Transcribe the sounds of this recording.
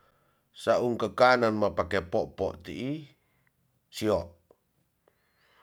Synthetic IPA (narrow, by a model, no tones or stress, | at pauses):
saʔuŋkəkananmapakepɔʔpɔ̰ʔt̪iʔi | siɔʔ